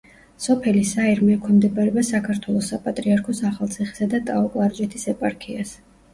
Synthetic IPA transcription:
sɔpʰɛlisaiɾmɛkʰɔmd̪ɛbaɾɛbasakʰaɾt̪ʰwɛlˠɔsapʼat̪ʼɾiaɾkʰɔsaχalˠt̪sʰiχi̥sad̪at̪ʼaɔkʼwaɾd͡ʒɛt̪ʰisɛpʼaɾkʰias

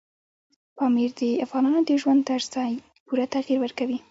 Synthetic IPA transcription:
pɑmiɾd̪əafɣɑnɑnod̪əʒwand̪̚t̪azɑj | puɾat̪aɣiɾwəɾkawi

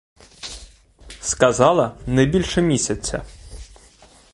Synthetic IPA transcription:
skɐzɑlˠɐnɛjbʲilʲʃɛmʲisʲɐt͡sʲːɐ̰

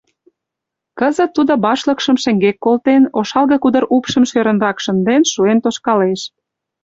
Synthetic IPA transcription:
kəzə̆t̪ːud̪obɑʃləkʃəmʃĕŋɡekːolt̪enoʃɑlɣɤ̆kud̪əɾupʃə̆mʃøɾə̆nrɑkʃənd̪enʃuent̪oʃkɑleʃ

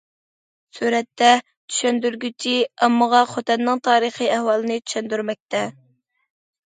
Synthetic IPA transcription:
suɾɛt̪ːɛ | t͡ʃ̪ʰy̥ʃɛnd̪yɾɡʲyt͡ʃʰiɑmːəʁɑχot̪ɛnːɨŋt̪ʰɑːɾəχiɛhwɑlˠɨnɨt̪ʰy̥ʃɛnd̪yɾmɛk̚ʲt̪ɛ

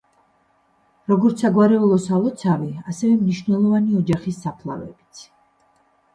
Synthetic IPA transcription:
ɾɔɡɔɾt̪sʰaɡwaɾɛulˠɔsalˠɔt̪sʰaviasɛvɛmniʃvnɛlˠɔvaniɔd͡ʒaχisːapʰlˠa̰vɛ̰bit̪sʰ

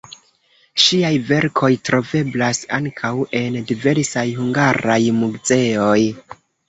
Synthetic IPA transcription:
ʃiajve̞ɾkʰo̞jtɾo̞ve̞blasaŋkʰawe̞ndive̞ɾsajhuŋɡaɾajmuɡze̞o̞j

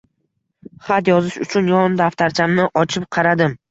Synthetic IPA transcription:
χat̪jɒzɪʃʊ̰t͡ʃʰʊnjɒd̪aft̪ʰaɾt͡ʃʰamnɪʔɒt͡ʃʰɪp̚qʰɑɾad̪ɪm

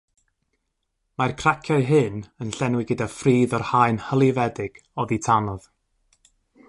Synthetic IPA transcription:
markʰr̥akʰjaɨɦɨnənɬɛnwɨɡədafriːðɔrhaɨnhəlˠivɛdɪɡ̥ | ɔðitʰanɔð̥

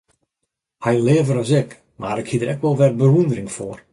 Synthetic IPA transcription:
hɛjlɪːəvəɾɔsɪk | maɾɪkhiədəɾɛkʋɔlˠʋɛrbəɦundərɪŋfoːər

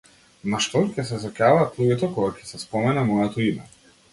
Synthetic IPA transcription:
maʃt̪ɔcʲɛs̬ɛzakavaːt̪lˠuɡʲɛt̪ɔkɔɡacʰɛ̥sɛspɔmɛnamɔjɛt̪ɔimɛ̰

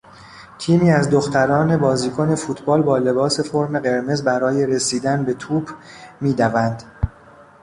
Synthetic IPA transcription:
t̪ʰiːmiːæzd̪o̞xt̪ʰæɾɒːne̞bɒːziːkʰo̞ne̞fuːt̪ʰbɒːlbɒːle̞bɒːse̞fo̞ɾme̞ɣe̞ɾme̞zbæɾɒːje̞ɾe̞siːd̪ænbe̞t̪ʰuːbmiːd̪ævænd̪

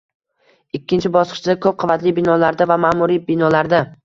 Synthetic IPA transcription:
ɪkʲʰːɪnt͡ʃʰɪbɒsqʰɨ̥t͡ʃʰɪd̪akʰɵp̚qʰʊvat̪lɪbɪnɒlaɾd̪avamaːmʊɾibɪnɒlaɾd̪a

